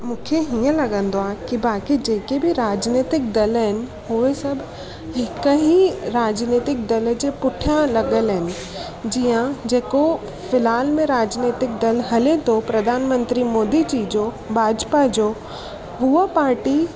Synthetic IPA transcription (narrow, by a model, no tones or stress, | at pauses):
mũːkʰeɦiːə̃lɐɠə̃nd̪oaːkibaːkid͡ʑeːkebʱɪɾaːd͡ʑniːt̪ɪk̚d̪ɐlɦɪnɪ̆ɦʊesɐbʱ | ɦɪkəɦiɾaːd͡ʑniːt̪ɪk̚d̪ɐld͡ʑepʊʈʰjə̃lɐɠəlɦɪnɪ̆ | d͡ʑiːãd͡ʑeːko | fɪlaːlmẽɾaːd͡ʑneːt̪ɪk̚d̪ɐlɦɐlet̪ʰopɾɐd̪ʱaːnmə̃nt̪ɾimoːd̪it͡ɕiːd͡ʑo | bʱaːd͡ʑpad͡ʑoː | ɦuəpaːɾʈi